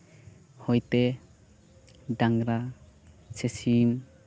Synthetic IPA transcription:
hojt̪e | ɖaŋɾa | sesim

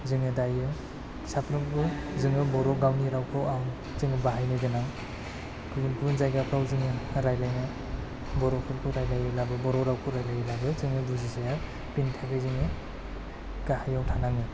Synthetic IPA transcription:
zɯŋɯdajɯ | sapʰɾɯmkʰɯzɯŋɯbɔɾɔɡawniɾawkʰɯwam | zɯŋɯbaɦajnɯɡɯnaŋ | kʰɯɡɯnkʰunzajɡapʰawzɯŋɯɾajlajnɯ | bɔɾɔkʰɯlkʰɯɾajlajɯlabɯbɔɾɔɾawkʰuɾajlajɯlabɯzɯŋɯbuzizaja | pintʰaɡɯzɯŋɯ | ɡahajawtʰanaŋɯ

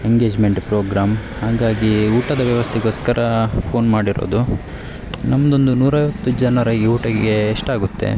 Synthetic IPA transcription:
eŋɡe̞ːd͡ʒmeɳʈpɾoːɡɾaːmhaːɡaːɡiuːʈɐd̪ɐʋjɐʋɐst̪ʰɛɡoːskɐɾʔɐpʰo̞ːnmaːɽiɾo̰ːd̪u | nɐmːɐd̪o̞nd̪unuːɾaːjʋɐt̪ːud͡ʒɐnɐɾɐɡiuːʈɐɡɡe̞ːʂʈaːɡut̪ːe̞̰

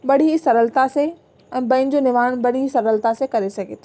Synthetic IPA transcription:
ɓɐɽ̤ʱisɐɾəlt̪ase | ɛ̃ːbɐ̃ɪ̃ɲd͡ʑonɪʋaːəɽ̃bɐɽ̤isɐɾəlt̪asekɐɾesɐɡʱḛːt̪ʰː

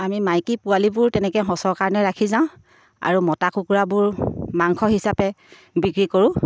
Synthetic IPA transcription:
amimajkipʊalibʊɹtɛnɛkɛɦɔsɔɹkaɹɔnɛɹakʰizãʊ̃ | a̰ɹumɔtakukuɹabʊɹmaŋkʰɔɦisapɛ | bikɹikoɹʊ̃

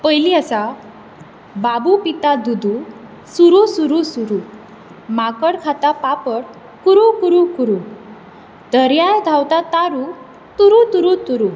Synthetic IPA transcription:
pəjliasa | babupit̪ad̪ud̪u | suɾusuɾusuɾu | makəɽkʰat̪apapəɽ | kuɾukuɾukuɾu | d̪̥ʱəɾjajd̪ʱawt̪at̪aɾu | t̪uɾut̪uɾut̪uɾu

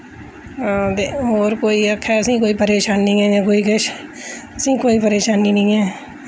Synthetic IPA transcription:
t̪eoːɾkoːiːəkʰːɛːəsĩːkoːiːpəɾeːʃaːnːĩːɦɛ̃ːjãːkoːiːkəʃəsĩːkoːiːpəɾeːʃaːnĩːnĩːɛː

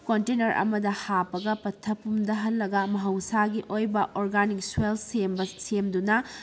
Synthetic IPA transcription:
kontenɐɾʔɐ̰mɐdɐhapɐɡɐpɐtʰːɐpumdɐɦɐlːɐɡɐmɐɦɐwsaɡiʔojbɐʔoɾɡanik̚swelsembɐsemdunɐ

